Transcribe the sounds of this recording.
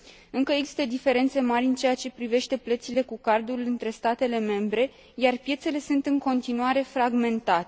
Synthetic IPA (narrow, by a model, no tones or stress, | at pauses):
ɨŋkəe̞ɡzi̥st̪əd̪ife̞ɾe̞nt̪se̞maɾʲɨnt͡ʃe̞jat͡ʃe̞pɾive̞ʃt̪e̞plət̪sile̞kukard̪ulɨnt̪ɾe̞st̪at̪e̞le̞me̞mbɾe̞ | jarpje̞t̪se̞le̞sunt̪ɨŋko̞nt̪inuaɾe̞fɾaɡme̞nt̪at̪e